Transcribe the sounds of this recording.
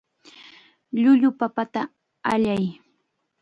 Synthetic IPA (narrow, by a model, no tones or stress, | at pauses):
ʎʊʎʊpapat̪a | aʎaj